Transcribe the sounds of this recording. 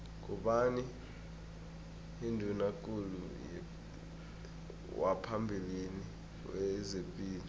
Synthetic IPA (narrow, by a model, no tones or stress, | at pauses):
k̬ʼuɓani | ndʱunakʼulṵjɛ̰ | wapʰambʱilini | wɛzepʼiːl